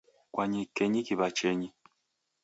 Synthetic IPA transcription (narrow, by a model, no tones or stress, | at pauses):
kwaɲikeɲikiβat͡ʃeɲi